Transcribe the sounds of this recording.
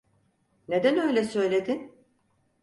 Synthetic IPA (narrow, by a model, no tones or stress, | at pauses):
ne̞d̪ænø̞jlʲɛsø̞jlʲed̪in